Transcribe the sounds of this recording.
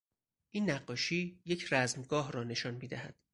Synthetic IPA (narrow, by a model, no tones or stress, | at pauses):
ʔiːnːæɢːɒːʃiːjecʰɾæzmɡɒːɦɾɒːne̞ʃɒːnmiːd̪æhæ̰d̪̥